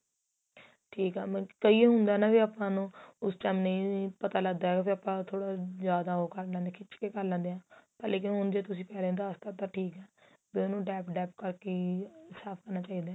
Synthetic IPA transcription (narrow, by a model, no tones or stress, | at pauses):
ʈʰiːkɛ̰ːmkəiːeɦʊnd̪aːnaːʋiːaːpãːnũːʊsʈaːmnəĩːpət̪aːləɡd̪aːɦɛbiaːpãːt̪ʰoːɽaːzjaːd̪aːoːkəɾlãːd̪ekʰɪt͡ʃkeːkəɾlãːnd̪eːãːpəɾleːkɪnɦʊnd͡ʒeːt̪ʊsĩːpɛːleːʊnd̪aːəst̪aːt̪aːʈʰiːkɛː | bːonũːɖɛːpɖɛːp̚kəɾkesaːpʰkəɾnaːt͡ʃaːiːd̪aː